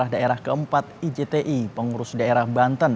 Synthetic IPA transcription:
ahdaeɾahkəəmpat̪̚id͡ʒet̪eʔipəŋuɾʊsdaeɾahbant̪ən

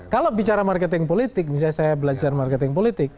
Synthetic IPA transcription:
kalobit͡ʃaɾamarkɛt̪ɪŋpolit̪ɪk̚mis̬alsajabəlad͡ʒarmarkɛt̪ɪŋpolit̪ɪk̚

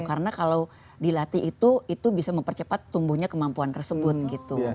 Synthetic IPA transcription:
kaɾənakalaw | dilat̪iʔːt̪uit̪ubisaməmpərt͡ʃəpat̪ːumbuhɲakəmampuant̪ərsəbʊt̪̚ɡit̪u

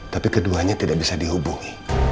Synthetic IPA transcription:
t̪apikəduaɲat̪idaʔ̚bisadiɦubuŋi

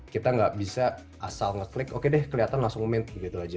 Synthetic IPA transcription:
kit̪aŋɡaʔbisa | ʔasalŋət̪lɪkokedɛhkəliat̪anlaŋsʊŋmɛnt̪̚bəɡit̪uad͡ʒa

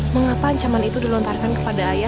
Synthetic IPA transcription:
məŋapaːɲt͡ʃamanit̪udilɔnt̪arkankə̥padaːja

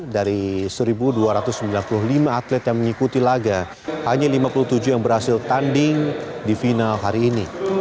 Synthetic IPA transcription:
daɾisəɾibuduaɾat̪ʊsːəmbilanpululimaːt̪lɛt̪jaŋməŋikut̪ilaɡa | haɲalimapuluht̪ud͡ʒujaŋbəɾhasɪlt̪andɪŋdifinalɦaɾiːni

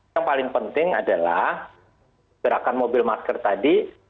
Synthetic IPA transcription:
aŋpalɪŋpənt̪ɪŋa̰dala̰h | bəɾakanmobɪlmaskərt̪adi

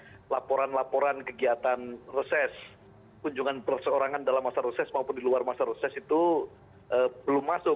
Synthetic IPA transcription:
lapoɾanlapoɾankəɡiat̪anrəsɛs | kuɲd͡ʒuŋanpərsəoɾaŋandalamːasaɾəsɛsmaupʊndiluarmasaɾəsɛsit̪u | ʔəbəlʊmːasʊ

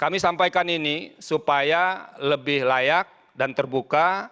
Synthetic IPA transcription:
kamisampajkaninisupajaləbɪhlajak̚ | dant̪ərbuka

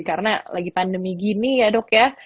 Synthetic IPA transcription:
kaɾənalaɡipandəmiɡinijadokja

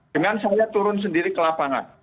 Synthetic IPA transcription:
dəŋansajat̪uɾʊns̬əndiɾikəlapaŋa̰n

